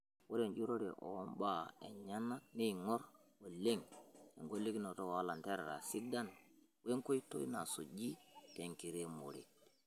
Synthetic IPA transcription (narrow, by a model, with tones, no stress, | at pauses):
wo˦ɾe˨nd͡ʒu˦ɾo˦ɾɛ˨ʔo̰˨˦mba˨e˨nɲa˦na˦k̚ne˦ŋɔ˦ɾo˨le˦ŋḛ˨ŋɡo˦lːi˦ki˦no˨to˦a˦la˨nte˦ɾɾa̰˨si˦da˦n | we˦ŋko˦i˦to̰˦jna˨so˨d͡ʒi˦te˨ŋki˨ɾe˦mo̰˨ɾḭ˨